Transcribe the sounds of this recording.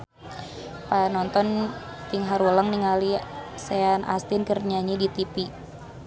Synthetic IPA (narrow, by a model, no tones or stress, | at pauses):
panɔnt̪ɔn | t̪iŋɦaɾulaŋniŋaliseanʔa̰st̪inkərɲaɲidit̪ipi